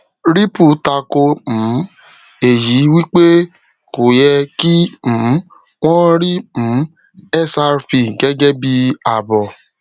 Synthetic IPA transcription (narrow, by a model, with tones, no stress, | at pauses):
ɾi˦pu˦˨ta˧ko˧m̩̃˨˦ | e˨ji˨˦wi˦k͡pe˦ | ko˨jɛ˧ki˦m̩̃ː˨˦ | w̃ɔ̃˦ɾi˦m̩̃˨˦ | ɛ˦˨sa˧ɾfi˧˨ɡɛ˦ɡɛ˦bi˧a˨bɔ˨